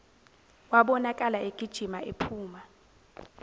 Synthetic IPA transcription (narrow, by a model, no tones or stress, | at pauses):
waɓɔnakʼalaʔeɡ̥ʱid̥ʒ̥ʱimaʔepʰuːma